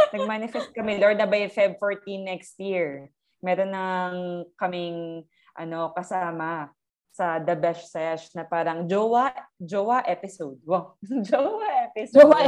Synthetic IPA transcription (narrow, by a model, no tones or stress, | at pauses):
nɐɡ̚manɪfɛst̪̚kɐmɛloɹd̪ɐbɐjfajb̚foɹt̪inːɛkst̪̚jiɹ | mɛɾonɐŋkɐmɪŋ | ʔɐno̞kɐsaːmɐ | sɐd̪ɐbɛʃsɛʃnɐpaːɾɐŋd͡ʒowɐd͡ʒowɐʔɛpɪsowd̪̚mod͡ʒowɐʔɛpɪsoɐ